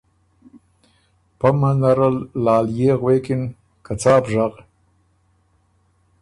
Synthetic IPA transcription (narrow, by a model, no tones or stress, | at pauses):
pamanaɾəlːaːljeɣweːkin | kʰat͡saːpʒaq